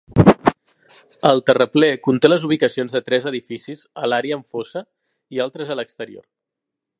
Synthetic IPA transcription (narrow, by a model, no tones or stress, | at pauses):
əlˠt̪ərəplɛkunt̪eləzuβ̞ikəsionzðət̪ɾɛzəðifisizəlaɾeəːɱfosə | ialˠt̪ɾəzələkst̪əɾio̰r